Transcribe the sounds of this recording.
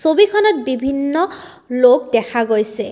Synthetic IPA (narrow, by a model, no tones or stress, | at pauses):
sobikʰɔnɔt̚bibʱinːɔ | lok̚dɛkʰaɡojsɛ